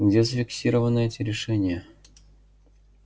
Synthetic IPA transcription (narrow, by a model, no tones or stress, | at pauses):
ɡdʲezəfʲɪksʲiɾəvənːəɛtʲɪɾʲɪʂɛnʲɪjə